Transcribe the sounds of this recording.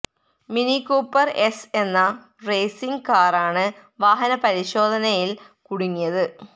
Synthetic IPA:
minikːoːpːɐrese̞nːɐ | reːsiŋɡkaːraːɳɨ | ʋaːɦɐnɐpɐɾiɕo̞ːd̪ʱɐnɐjil | kuɽuŋːijɐðɨ

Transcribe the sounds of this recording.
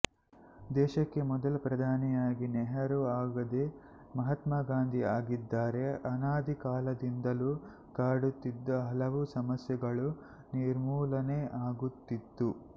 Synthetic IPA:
d̪ɛːʃɐkːe̞mɔd̪ɐlɐpɾɐd̪ʱaːnijaːɡinɛɦɐɾuaːɡɐd̪e | mɐɦɐt̪maɡaːnd̪ʱiaːɡid̪ːaːɾe̞ʔɐnaːd̪ʱikaːlɐd̪ind̪ɐlu | kaːɽut̪ːid̪ːɐɦɐlɐʋusɐmɐsjɐɡɐɭu | niːɾmuːlɐneʔaːɡut̪ːit̪ːu

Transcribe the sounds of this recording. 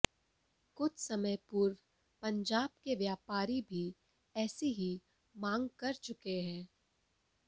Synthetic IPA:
kʊt͡ʃʰsɐməjpʊɾ | pɐ̃ɲd͡ʒaːb̚keʋjaːpaːɾibʱi | ɛːseɦi | mãːŋɡkɐɾt͡ʃʊkeɦɛ̃ː

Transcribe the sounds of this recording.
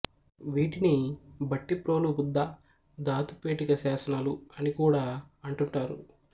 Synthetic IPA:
ʋiːʈinibɐʈːipɾo̞ːlubud̪ːɐ | d̪aːt̪upeːʈikɐsaːsɐnaːluɐnikuːɽaːɐɳʈuɳʈaːɾṵ

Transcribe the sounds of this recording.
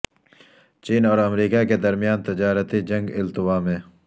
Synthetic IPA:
t͡ʃiːnɔːɾɐmɾiːkaked̪ɐɾmijaːnt̪ɪd͡ʒaːɾət̪id͡ʒɐ̃ŋɡɪlt̪ʊwaːmẽː

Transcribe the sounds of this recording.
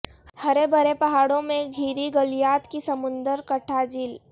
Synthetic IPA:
hɐɾebʱɐɾepɐɦaːɽõmẽɡʱiːɾiɡəlijaːt̪kisɐmʊ̃nd̪əɾkɐʈʰad͡ʒiːl

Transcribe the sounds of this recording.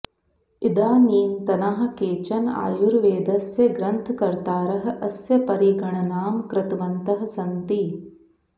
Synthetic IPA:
id̪aːniːnt̪ɐnaɦɐ̆keːt͡ʃɐna̰ːjuɾʋeːd̪ɐsjɐɡɾɐnt̪ʰkɐɾt̪aːɾɐɦɐ̆ʔɐsjɐpɐɾiɡɐɳɐnaːmkɾɐt̪ʋɐnt̪ɐɦɐ̆sɐnt̪i

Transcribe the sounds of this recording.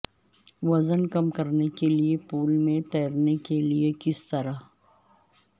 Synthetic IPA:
ʋɐzənkɐmkɐɾnekeliepuːlmẽt̪ɛːɾnekeliekɪst̪ɐɾa

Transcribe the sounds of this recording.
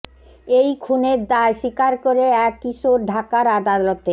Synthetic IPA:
ejkʰuneɾd̪aeʃikaɾkoɾeɛkːiʃoɾɖʱakaɾad̪alot̪e

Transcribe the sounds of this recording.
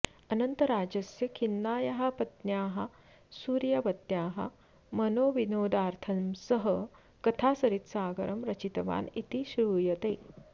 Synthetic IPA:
ɐnɐnt̪ɐɾaːd͡ʑɐsjɐkʰinːaːjɐɦɐpɐt̪njaːɦɐ | suːɾjɐʋɐt̪jaːɦɐ̰ | mɐnoːʋinoːd̪aːɾt̪ʰɐmsəɦə | kɐt̪ʰaːsɐɾit̪saːɡɐɾʔɐmɾɐt͡ɕit̪ɐʋa̰ːnit̪iɕɾuːjɐt̪eː

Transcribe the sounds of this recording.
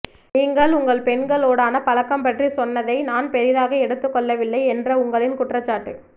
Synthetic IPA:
niːŋɡɐɭʊŋɡɐɭpɛnɡɐɭoːɽaːnɐpɐlɐkːɐmpɐʈrisɔnːɐðɐɪnaːnpɛɾɪðaːɣɐɛɽɯt̪ːɯkːɔɭːɐʋɪlːɐɪɛndrɐʊŋɡɐɭɪnkʊʈrɐt͡ʃːaːʈːɯ

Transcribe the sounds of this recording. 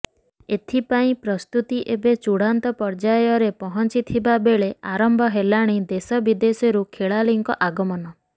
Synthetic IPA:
et̪ʰipaĩpɾɔst̪ut̪iʔebet͡ʃuɽ̤ant̪ɔpɔɾd͡ʒajɔɾepɔɦɔnt͡ʃit̪ʰibabeɭeaɾɔmbʱɔɦelaɽ̃id̪esɔbid̪esɔɾukʰeɭaliŋkɔʔaɡɔmɔnɔ

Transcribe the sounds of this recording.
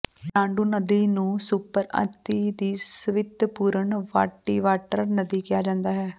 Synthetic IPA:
nãːɳɖuːnəd̪iːnũːsuːpəɾə̰t̪iːd̪iːsəʋɪd̪puːɾəɳʋa̰ːʈːiːʋaːʈəɾnəd̪iːkɪjaːd͡ʒãːnd̪aːɦɛː

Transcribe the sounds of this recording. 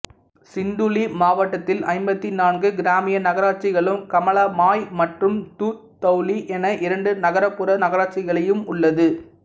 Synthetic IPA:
sɪnd̪ulimaːʋɐʈːɐt̪ːɪlɐ̰ɪmbɐt̪ːinaːnɡɯɡɪɾaːmɪjɐnɐɣɐɾaːt͡ʃɪɣɐɭɯmkɐmɐɭaːmaːjmɐʈrɯmt̪uː | t̪ːɐʊliʔɛnɐʔɪɾɐɳɖɯnɐɣɐɾɐpːɯɾɐnɐɣɐɾaːt͡ʃɪɣɐɭɐjɯmʊɭːɐðɯ

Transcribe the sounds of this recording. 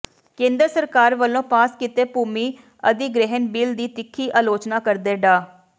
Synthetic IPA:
kẽːnd̪əɾsəɾkaːɾʋəlːõːpaːskɪt̪eːpuːmiː | ə̰d̪iɡɾɪɦənbiːld̪iːt̪ɪkʰːiːʔaːloːt͡ʃnaːkəɾd̪eːɖaː

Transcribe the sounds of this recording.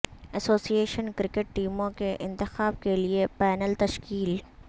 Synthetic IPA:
ɛsoːsieːʃənkɾɪkeʈ̚ʈiːmõkeʔɪ̃nt̪ɪxaːb̚keliepɛːnəlt̪ɐʃkiːl

